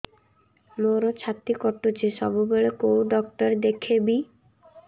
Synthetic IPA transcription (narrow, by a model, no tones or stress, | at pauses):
moɾɔt͡ʃʰat̪ikɔʈut͡ʃʰisɔbubeɭekowɖɔk̚ʈɔɾed̪ekʰebi